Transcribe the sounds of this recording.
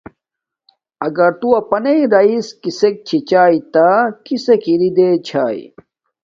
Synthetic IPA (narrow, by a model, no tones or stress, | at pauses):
ɐɡɐɾt̪uɐpɐneiɾɐiskisek̚t͡ɕʰit͡ɕaːit̪akisekiɾid̪et͡ɕʰaːḭ